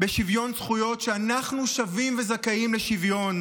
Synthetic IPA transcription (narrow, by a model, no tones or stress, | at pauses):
be̞ʃivjo̞nsχujo̞tʃeanaχnuʃavimve̞zakaimleʃivjo̞n